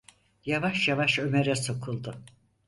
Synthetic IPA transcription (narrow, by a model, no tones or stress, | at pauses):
javaʃjavaʃø̞meɾɛso̞kʰulˠd̪ʊ